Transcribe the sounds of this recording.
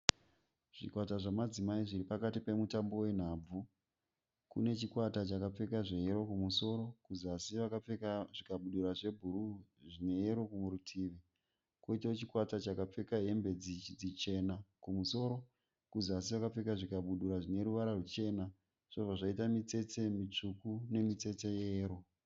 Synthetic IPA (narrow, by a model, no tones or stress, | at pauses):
ʐ̥ḭkwataʐamad͡zimaiʐiɾipakatipe̞mutambo̞we̞n̤aːb͡vu | kṵne̞t͡ʃikwatat͡ʃakap͡fe̞kaʐe̞ɦeɾo̞kumuso̞ːɾo̞kuzasiʋakaekaʐikaɓuɗuɾaʐe̞bʱuɾuʐine̞jeɾo̞kumuɾutʰiːʋi | koitaot͡ʃikwatat͡ʃakap͡fe̞kaɦe̞mbe̞d͡zid͡zit͡ʃe̞nakumuso̞ːɾo̞ | kuzasiʋakap͡fekaʐikaɓuɗuɾaʐine̞ɾuʋaɾarut͡ʃe̞na | ʐ̥oʐaʐaitamit͡se̞t͡se̞mit͡ʂukune̞mit͡se̞t͡se̞jeːɾo̞